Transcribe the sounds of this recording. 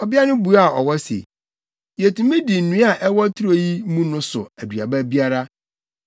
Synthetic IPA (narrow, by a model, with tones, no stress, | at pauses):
ɔ˨bɪ˦a˦nʊ̃˦bu˨a˦˨ɔ˨wɔ˦sḛ˨ | je˨tũ˨mĩ˦di˨n̩˨nũ˨˦a˦˨ʔɛ˦wɔ˦tʰu˦ɾo˨ji˦mũ˦nʊ̃˦sʊ̰˨æ˨dɥa̰˨bæ˦bi˦a˦ɾa˦